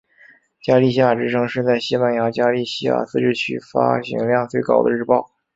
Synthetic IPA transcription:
t͡ɕja˥li˥˧ɕi˥ja˥˩ʈ͡ʂɻ̩˥ʈ͡ʂʰɤ˧˥ŋʂɻ̩˥˧t͡sa˥˩ɪɕi˥pa˥˩nja˧˥t͡ɕja˥li˥˩ɕi˥ja̰˥˩sɹ̩˥˧ʈ͡ʂɻ̩˥˩t͡ɕʰy̰˥˩fa̰˥ɕḭ˧˥ŋljɑ˥˧ŋt͡swe˥˩ɪkɑ˨˩ʊd̪ə̰˦ɻ̩˥˧pɑ˥˩ʊ

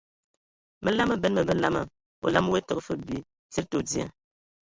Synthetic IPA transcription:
mə˦la˦mə˦˨bɛ˨˦n˦mə˨mə˦la˦mə˨ | o̰˨la˦m˦we˦tɔ˨˦˨fə˦bi˦ | ti˦ɾto˨dja̰˦

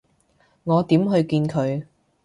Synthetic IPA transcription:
ŋɔː˨˧t̪iː˨˥mɦɵ˧ɥkiː˧nkʰɵ˨˧ɥ

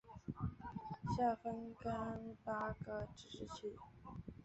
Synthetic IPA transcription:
ɕja˥˩fə˥nkə˥npa˥ɡə˩ʈ͡ʂɻ̩˥˩ʂɻ̩˥˩t͡ɕʰy˥˩

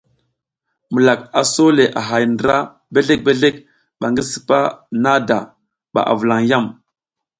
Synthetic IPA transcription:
mu˨la˨ka˨so˦le˨ʔa˨ɦa˨jndə˨ɾa˦ | be˦ɮe˦k̚be˦ɮe˦k̚ | ɓa˨ŋɡi˦sə̥˨pa̰˦na˦da̰˨ | ɓa̰˨ʔa̰˨və˨la˨ŋja˦˨m

